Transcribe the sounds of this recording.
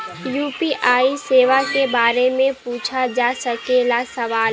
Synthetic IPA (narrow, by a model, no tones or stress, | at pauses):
juːpiʔaːiseːʋakebaːɾemẽpuːt͡ʃʰad͡ʒaːsɐkelasɐʋaːl